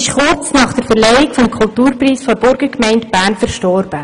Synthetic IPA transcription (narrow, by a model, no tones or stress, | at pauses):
ɪʃχʊrt͡snɑːχd̥əɾfɛɾlɛɪɪkfɔmkʰʊltuːɾpriːsfɔɾbʊɾɡ̥əkmɛɪntb̥æːɾnfəɾʃtɔɾb̥ə